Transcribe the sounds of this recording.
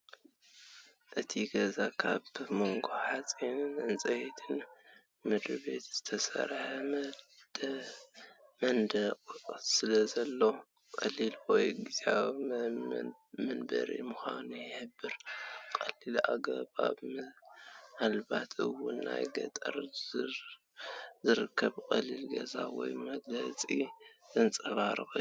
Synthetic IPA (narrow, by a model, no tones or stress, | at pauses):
ʔɨt̪ʰiɡɐzakʰaβmo̞ŋɡoħat͡sʼinɨnʔɨnt͡sʼɐjet̪ʰɨn | mɨd̪ɾɨbe̞t̪z̥ɨt̪ʰɐsɐ̰ɾħɐ | mɐnd̪ɐkʼsɨlɐzɐlːo | kʼɐlilwɔjɡɨz̥a | mɨnbɐ̰ɾḭmʊxanujɪħɨbːɨɾkʼɐlːilaɡɐβa̰βmɨʔalbat̪ʰɨwʊnːa̰jɡɐ̰t̪ʼɐ̰ɾ | zɨɾɨkʰːɐβkʼɐlilɡɐzawɔ̰jmɐɡlɐt͡sʼizɨnt͡sʼɐβaɾɨxu